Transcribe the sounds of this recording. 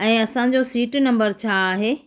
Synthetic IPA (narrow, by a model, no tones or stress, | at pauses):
ɛ̃ːɐsã̆d͡ʑosiːʈnɐ̃mbəɾt͡ɕʰaːɦeː